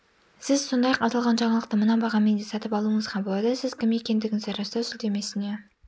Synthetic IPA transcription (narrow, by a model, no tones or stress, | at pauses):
sɪzso̞nd̪ɑjɑqɑt̪ɑlˠʁɑnʒɑɴɑlˠəq̚t̪əmənɑbɑʁɑme̞nd̪esɑt̪əpɑlˠuəɴəzqɑbolˠɑd̪əsɪz̥kʲʰɪme̞kʲe̞nd̪ɪɡʲɪŋeɾɑst̪ɑsʏld̪e̞me̞sɪne